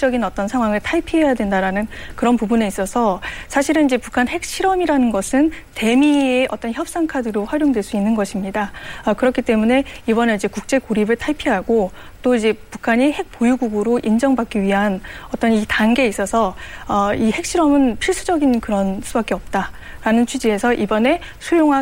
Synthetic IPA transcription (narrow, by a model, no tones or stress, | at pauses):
d͡ʑʌɡinʌt͈ʌnsʰaŋwaŋɯɭtʰaɭpʰiɦejadwe̞ndaɾanɯnkɯɾʌnpubune̞is͈ʌsʰʌsʰaɕʰiɾɯnid͡ʑe̞pukʰanhe̞k̚ɕ͈ʰiɾʌmiɾanɯnɡʌsʰɯn | te̞mieʔʌt͈ʌnçjʌp̚s͈aŋkʰadɯɾoɸwaɾjoŋdwe̞ɭs͈uinːɯnɡʌɕʰimɲidaʌkɯɾʌkʰit͈e̞mune̞ibʌneid͡ʑe̞kuk̚t͡ɕ͈e̞koɾibɯɭtʰaɭpʰiɦaɡo | t͈oid͡ʑe̞pukʰaɲihe̞k̚p͈ojuɡuɡɯɾoʔind͡ʑʌŋbak͈iɥiɦanʌt͈ʌnitanɡe̞is͈ʌsʰʌʌihe̞k̚ɕ͈ʰiɾʌmɯnpʰiɭs͈ud͡ʑʌɡinkɯɾʌnsʰubak͈eʌp̚t͈a | ɾanɯnt͡ɕʰid͡ʑie̞sʰʌʔibʌne̞ | sʰujoŋɦa